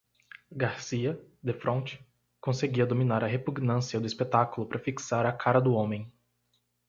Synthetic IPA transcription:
ɡaɾsiɐd̪efɾõt͡ʃɪ̥ | kõseɡiɐd̪ominaɾɐɦepuɡnɐ̃siɐd̪ʊispet̪akʊlʊpɾɐfiksaɾɐkʰaɾɐd̪ʊõmẽj̃

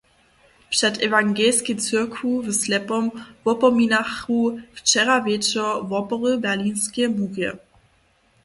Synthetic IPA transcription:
pʃɛtɛvaŋɡɛlsket͡sɪɐkʰuvəslɛpɔmvɔpɔminaxuft͡ʃɛʁavɛt͡ʃɔvɔpɔʁəbɛɐliːnskemuɡə̰

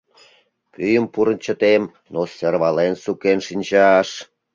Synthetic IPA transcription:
kyjəmpuɾə̆nt͡ɕə̆t̪em | noserβɑlensukenʃinʲt͡ɕɑʃ

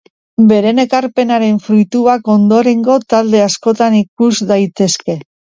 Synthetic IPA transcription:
be̞ɾe̞ne̞kaɾpe̞naɾe̞ɱfɾujt̪uako̞nd̪o̞ɾe̞ŋɡo̞t̪ald̪e̞asko̞t̪anikuzd̪ajt̪e̞ske̞

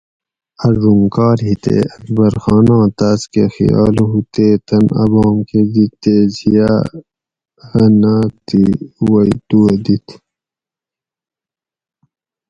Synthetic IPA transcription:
ɐʐuŋkɑːɾɦit̪ḛɐkbɐɾxɑːnɑ̃ːt̪aːskḛxḭjɑ̰ːlɦut̪eːt̪ɐnɐ̰bɑːmked̪it̪ːeːzijaː | hɐnaːt̪iwɐit̪ued̪it̪ʰ

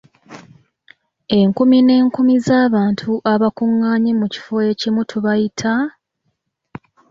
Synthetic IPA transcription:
e̞ŋkumine̞ːŋkumizaːβaːntʰuʔaβakuŋːaːɲemuci̥fo̞je̞cimutʰuβajitʰa

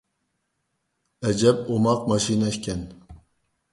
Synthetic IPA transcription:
ɛd͡ʒɛb̚omɑq̚mɑʃinɛʃkʲɛn

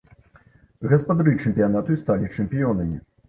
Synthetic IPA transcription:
ɣɔspɔd̪aɾit͡ʂɛmʲpʲjanat̪ujst̪alʲit͡ʂɛmʲpʲijɔnɛmʲi

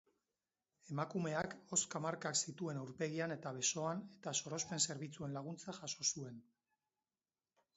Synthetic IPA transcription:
e̞makume̞ako̞skamaɾkaksit̪ue̞nawɾpe̞ɣiane̞t̪aβe̞so̞ane̞t̪aso̞ɾo̞spe̞nse̞ɾβit͡sue̞nlaɣ̞unt͡saʝaso̞sue̞n

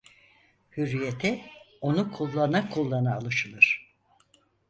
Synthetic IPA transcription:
hyɾːijet̪ʰɪ | o̞nukʰulˠːanakʰulˠːanaːlˠɯʃɯlˠɯɾ̥

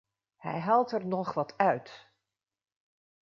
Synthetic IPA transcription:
hɛ̰jɦɑlˠtɛɹnɔχʋɑtœɥt

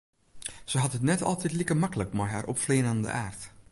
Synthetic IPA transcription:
səɦɑtətnɛtʰɑ̰lˠtɛtlikəmakələkmɛjɦa̰ːɾʔɔ̰pfleːnandə̰ʔaːrt

